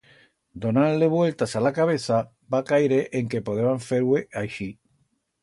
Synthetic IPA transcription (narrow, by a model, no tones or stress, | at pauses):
d̪onanleβwe̞lt̪asalakaβeθa | bakajɾeʔeŋkepoðeβaɱfeɾweʔaʃi